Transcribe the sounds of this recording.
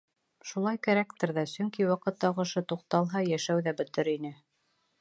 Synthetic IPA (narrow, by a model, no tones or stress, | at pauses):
ʃulˠɑjkæɾækt̪ɘɾðæsɵŋkiwɑqɤ̆t̪ːɑqɤ̆ʃɤt̪uq̚t̪ɑlˠɦɑjæʃæwðæbɵ̆t̪ɘɾinɘ